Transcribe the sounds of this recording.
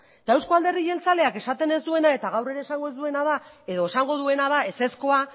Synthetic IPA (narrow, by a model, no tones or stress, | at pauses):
t̪awsko̞ald̪e̞riʝe̞lt͡sale̞ake̞sat̪e̞ne̞zd̪ue̞nae̞t̪aɣ̞awre̞ɾe̞ːsaŋɡo̞ezd̪ue̞nað̞ae̞ðo̞e̞saŋɡo̞ðue̞nað̞ae̞se̞sko̞a